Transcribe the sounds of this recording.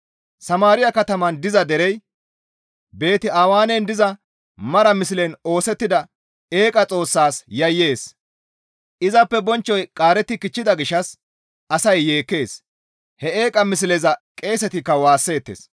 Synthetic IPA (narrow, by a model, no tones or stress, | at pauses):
sɐmaːɾɪjɐkɐt̪ɐmɐnd̪ɪzɐd̪ɛɾɛj | be̞ːt̪ɪaːwaːnend̪ɪzɐ | mɐɾɐmɪs̬ɪlɛno̞ːsɛt̪ːɪd̪ɐ | eːkʼɐt͡sʼo̞ːsːaːsjɐjːe̞ːs | ʔɪzɐpːɛbɔnt͡ʃːɔjkʼaːɾɛt̪ːɪkɪt͡ʃːɪd̪ɐɡɪʃːɐs | ʔɐsɐjːe̞ːkːe̞ːs | hɛe̞ːkʼɐmɪs̬lɛzɐkʼe̞ːsɛt̪ɪkːɐwaːsːe̞ːt̪ːḛːs